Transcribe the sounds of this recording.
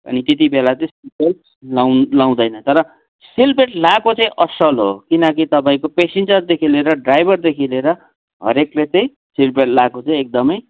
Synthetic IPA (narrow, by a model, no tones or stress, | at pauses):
ʌ̰nit̪et̪̬ibelat͡saj̃sipe | lalaw̃d̪ʌjnʌt̪ʌɾʌ | silpeʈlakot͡sʌ̃ĩʔʌsʌlɦo̰kinʌkit̪ʌp̬aĩkopesend͡zʌrd̪ekʰileɾʌɖrajbʱʌrd̪ekʰileɾʌ | ɦʌ̰ɾeklet͡sʌĩ | silpeʈlakot͡sãĩek̚d̪ʌmʌj